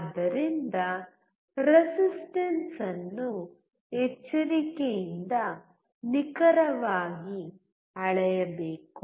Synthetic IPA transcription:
d̪ɐɾind̪ɐ | ɾesisʈɐnsɐnːu | et͡ʃːɐɾikejind̪ɐ | nikɐɾɐʋaːɡi | ɐɭɛjɐbeːku

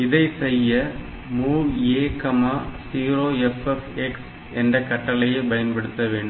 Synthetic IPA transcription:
ɪðɐɪsɛjːɐ | muːʋeːkːɐmaːsiːɾoːɛfɛfɛks | ɛndrɐkɐʈːɐlɐjebɐjɐnbɐɽɯt̪ːɐʋeːɳɖɯ

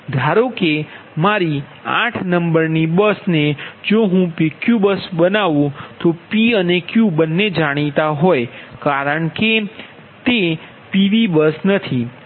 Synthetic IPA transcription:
d̪ʱaɾoke | maɾi | ã̰ʈʰnəmbəɾnibəsned͡ʒoɦũpikjubəsbənaʋũt̪opiənekjubənːed͡ʒaɽ̃it̪aɦojkaɾəɳke | t̪e | piʋibəsnət̪ʰi

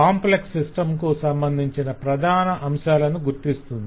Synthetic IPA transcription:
aːmpleksːisʈɐmkusɐmbɐnd̪ʱiɲt͡ʃinɐpɾɐd̪ʱaːnɐʔɐmʃaːlɐnuɡuɾt̪ist̪und̪i

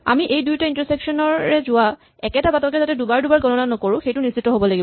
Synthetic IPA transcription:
a̰miʔejdujtaintəɹsɛksɔnɔɛzʊwa | ɛkɛtabatɔkɛzatɛdubaɹdubaɹɡɔnɔnanɔkoɹʊ̃xejtʊnisitːɔɦobɔlaɡibɔ

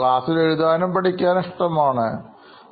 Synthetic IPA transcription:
ɭaːsile̞ɻuðaːnɐmpɐʈikʲːaːniʂʈɐmaːɳɨ

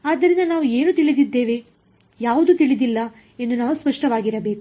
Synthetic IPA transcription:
aːd̪ːɐɾind̪ɐnaːʋue̞ːnut̪iɭid̪id̪ːe̞ːʋe̞ | jaːʋud̪ut̪iɭid̪ilːɐ | e̞nd̪unaːʋuspɐʂʈɐʋaːɡiɾɐbe̞ːku

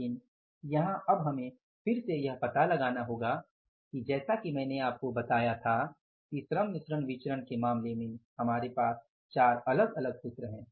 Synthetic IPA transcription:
ɪn | jɐɦãʔɐbɦɐmẽ | fɪɾsejɐɦpɐt̪alɐɡaːnaɦoːɡa | kid͡ʒɛːsakimɛ̃ːneaːp̚kobɐt̪aːjat̪ʰa | kisɾəmnɪsɾənʋɪt͡ʃɾənkemaːmlemẽhɐmaːɾepaːs | t͡ʃaːɾɐləɡɐləɡsʊt̪ɾəɦɛ̃ː

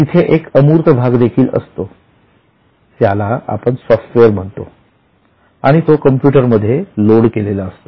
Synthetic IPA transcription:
t̪it̪ʰeʔekəmuːɾt̪ʰəbʱaɡd̪ekʰiːlə̰st̪o | t̪jalaa̰pəɳsɔfʈʋeəɾm̤əɳt̪o | aɽ̃it̪okəmpjuʈəɾməd̪ʱːjeloɽkelelaəst̪o

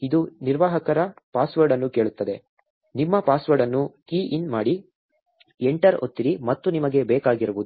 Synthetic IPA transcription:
id̪uniɾʋaːɦɐkɐɾɐpaːsʋɐɾɖɐnːuke̞ːɭut̪ːɐd̪e̞ | nimːɐpaːsʋɐɾɖɐnːukiːʔinmaːɽi | eɳʈɐɾo̰t̪ːiɾimɐt̪ːunimɐɡe̞bɛːkaːɡiɾɐbud̪u

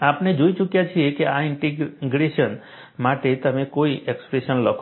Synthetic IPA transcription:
apned͡ʒoit͡ʃukjat͡ʃʰiekeaɪɳʈiɡɡɾeʃən | maʈet̪əmekoiʔekspɾeʃənləkʰ

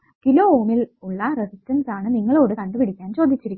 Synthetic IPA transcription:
kilo̞ːoːmiluɭːɐresistːɐnsaːɳɨniŋːɐɭo̞ːɽɨkɐɳɖɨpiɽikʲːaːnt͡ɕo̞ːd̪ʱːit͡ɕːiɾikʲː

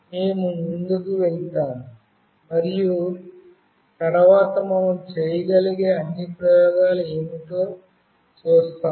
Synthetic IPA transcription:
meːmumund̪ɐd̪uʋɐlt̪aː | mɐɾiju | t̪ɐɽɐʋaːt̪ɐmɐmɐmt͡ʃeːjɐɡɐliɡeːɐnːipɾɐjɔːɡaːlɐeːmiʈ̪oː | t͡ʃoːst̪aː

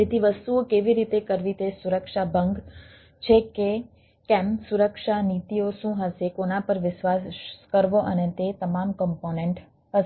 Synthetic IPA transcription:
d͡ʒet̪iʋəst̪uokeʋiɾit̪ekəɾʋit̪esuɾəkʃabʱəŋɡ | t͡ʃʰeke | kɛ̃msuɾəkʃanit̪ioʃũɦəsekonapəɾʋɪʃʋasskəɾʋoʔənet̪et̪əmamkɔmponẽɳʈ | ɦəs

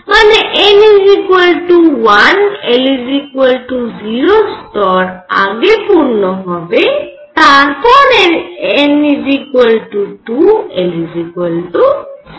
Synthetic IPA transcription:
maneʔenizikwelʈuwanelizikuelʈuziɾostɔɾa̰ɡepuɾnɔɦɔbe | t̪ankɔneenizikwelʈutuelizikweltu

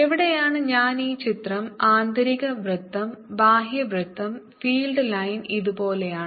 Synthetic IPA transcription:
eʋiɽe̞jaːɳɨɲaːniːt͡ɕit̪rɐmaːnd̪ɐɾiɣɐʋrɨt̪ːɐmbaːɦjɐʋrɨt̪ːɐm | fiːlɖɨlɐjniðupo̞ːlejaːɳɨ

